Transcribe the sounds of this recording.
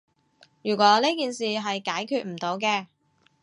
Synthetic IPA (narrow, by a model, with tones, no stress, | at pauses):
jyː˨˩kʷɔː˨˥liː˥kiː˨nsiː˨ɦɐ˨jkaː˨˥jkʰyː˧t̚m̩˨˩t̪o˨˧wk̬ɛː˧